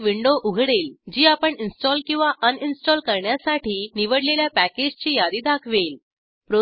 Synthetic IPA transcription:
ʋiɳɖoʔuɡʱɽeld͡ʑiːapəɳinsʈɔlkĩw̃ʋaʔəninsʈɔlkəɾɳjasaʈʰiːniʋəɽleljapæked͡ʑt͡ɕiːjad̪iːd̪akʰʋel | pɾo

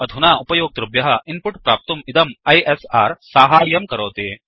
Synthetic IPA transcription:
ɐd̪ʱunaːupɐjoːk̚t̪ɾubjɐɦɐinpʊʈpɾaːp̚t̪umɪd̪ɐmɐjesaːɾsaːɦaːjɐmkɐɾoːt̪eː

